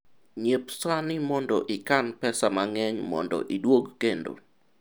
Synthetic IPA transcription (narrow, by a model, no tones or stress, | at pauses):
ɲepsanɪmɔndɔʔɪkanpɛsamaŋɛɲmɔ̰ndɔ̰ʔidwoɡkendo̰